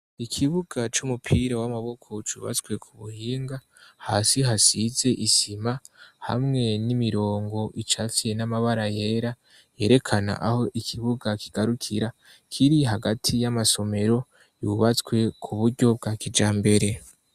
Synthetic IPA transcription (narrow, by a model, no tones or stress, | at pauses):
ikʰiβuɡ̥at͡ʃumupʰiɾawamaβo̞kʰo̞t͡ʃṵːβa̰t͡swe̞kʰuβuhiːŋɡa | haːsiɦasize̞ʔisimaha̰mŋe̞nimiɾo̞ːŋɡo̞ʔit͡ʃaːfije̞namaβaɾaje̞ːɾa | je̞ːɾe̞kʰana̰ʔaho̞ʔikʰiβuɡakʰiɡ̥aɾukʰiɾa | kʰiɾiɦaɡatʰijamaso̞me̞ɾo̞ | juβat͡skwe̞kʰuβuɾɟo̞b̚ɡaːkid͡ʒaːmbe̞ɾe̞